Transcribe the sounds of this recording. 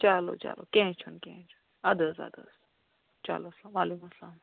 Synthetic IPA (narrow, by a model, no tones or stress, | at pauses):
t͡ʃaːlo̰t͡ʃa̰lo̰kɛ̃ːt͡ʃʰunkɛ̃ːt͡ʃʰunɐd̪əzɐ̰d̪ə̰z̥ | t͡ʃa̰loslaːmaːlekumslaːm